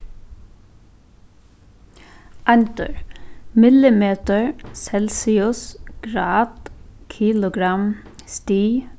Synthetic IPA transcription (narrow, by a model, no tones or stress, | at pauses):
ʔɑnt̪ə̰ɹmɪlɪmeːt̪əɹsɛlsɪʊsɡ̥ɾɑːt̪kʰiːlʊɡɾɑm | st̪iː